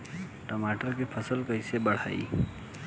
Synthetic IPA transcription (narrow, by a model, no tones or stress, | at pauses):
ʈəmaʈəɾkepʰəsəlkəjsebəɽ̤a̰ːḭ